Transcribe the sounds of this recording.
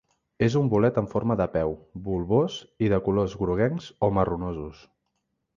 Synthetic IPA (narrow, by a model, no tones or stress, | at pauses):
ezumbulɛt̪əɱfoɾməðəpɛwbulˠβoziðəkulozɣɾuɣɛnzomərunozus